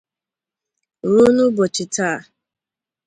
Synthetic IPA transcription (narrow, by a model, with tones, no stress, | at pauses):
ɾu˦nʊ˦bɔ˨t͡ʃɪ˨ta˦˨